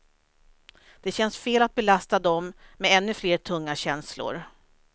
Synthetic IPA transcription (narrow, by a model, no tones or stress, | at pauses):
d̪̥ɛɕɛnsfeːlat̪̚bɛlast̪ad̪ɔmːɛɛnːɵfleːʈʰɵŋːaɕɛnslʊ̰ɾ